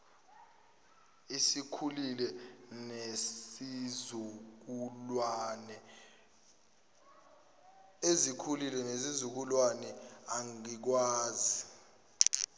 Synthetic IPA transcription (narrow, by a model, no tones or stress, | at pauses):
isikʰulilɛneizuk̬ulwanɛ | ezikʰulilɛnezizuk̬ulwanɛaŋik̬waːzi